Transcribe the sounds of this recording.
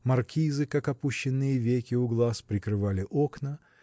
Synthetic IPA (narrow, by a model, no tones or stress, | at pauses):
mɐrkʲizɨkakɐpuɕːɪnːɨjəvʲekʲɪʊɡlˠaspɾʲɪkɾɨvalʲɪʔo̞knə